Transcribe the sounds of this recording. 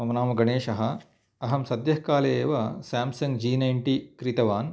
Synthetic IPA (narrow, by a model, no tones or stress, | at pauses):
ɐmɐnaːmɐɡɐɳeːʃɐɦɐ̆ | ɐɦɐmsɐd̪jɐhkaːleːʋɐsaːmsɐŋɡd͡ʒiːnɐjɳʈikɾit̪ɐʋaːn